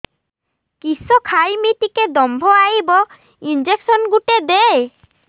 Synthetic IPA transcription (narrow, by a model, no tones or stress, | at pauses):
kisɔkʰajmitiked̪ɔmbʱɔajbɔ | ind͡ʒeksɔnɡuʈed̪e